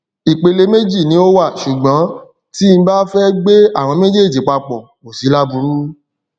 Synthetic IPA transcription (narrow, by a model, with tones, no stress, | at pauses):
i˨k͡pe˧le˧me˦d͡ʒi˦˨nĩ˨˦o˦wa˦˨ʃu˨ɡ͡bã˨˦ | ti˦n̩˦ba˦fɛ˦ɡ͡be˦a˦˨w̃ɔ̃˧me˦d͡ʒe˦e˦˨d͡ʒi˨˦k͡pa˧k͡pɔ˨ | mo˨si˨˦la˦bu˧ɾu˦